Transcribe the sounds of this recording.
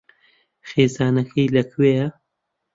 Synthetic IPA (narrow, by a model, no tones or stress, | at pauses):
xeːzaːnɐkʰɐjlɐkʰwejɐ